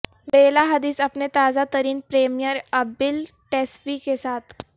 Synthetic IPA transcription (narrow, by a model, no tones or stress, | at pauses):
beːlaɦɐd̪iːsɐpnet̪aːzat̪əɾiːnpɾeːmijəɾɐbɪlʈesʋikesaːt̪ʰ